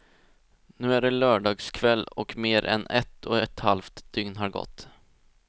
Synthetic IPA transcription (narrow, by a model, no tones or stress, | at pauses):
nʉ̟ːæɖɛlœːɖɑːɡskʰvɛlːɔkmeːɾʔɛ̰nɛt̪ʰːɔɛt̪halft̪d̪̥ʏŋnɦaɾɡɔ̰t̪ː